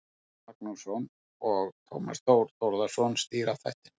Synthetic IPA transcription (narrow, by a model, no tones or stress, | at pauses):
ak̚nusɔn | ɔɣt̪ʰo̰wma̰st̪oːwɾ̥t̪ɔɾðasɔnst̪iːɾawθa̰jht̪ɪ̥n